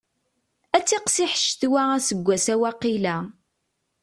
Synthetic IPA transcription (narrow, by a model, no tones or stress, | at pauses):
æt͡sːiqsiħə̥ʃːt̪wææsəɡʷːæsæwæqilæ